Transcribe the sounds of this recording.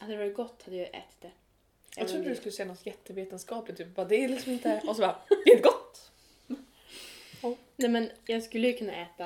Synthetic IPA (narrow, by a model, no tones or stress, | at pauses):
at̪d̪ɛvɑɾɪt̪̚ɡɔt̪ːhad̪ːəjɑʔɛ̰ːt̪ɪ̥t̪̚d̪ɛ | jɑt̪ɾuːəd̪ɛskɵlːəɕɛnːat̪jɛt̪ːəveːt̪ənskɑːplɪt̪ʰːyːpvad̪ɛlɪksɔmɪnt̪əɔsɔbɑd̪ɪhɛt̪ɡɔt̪ː | ɔnɛmɛnjɑːɡskɵlːəjɵkʰɵnːa̰ʔɛːt̪a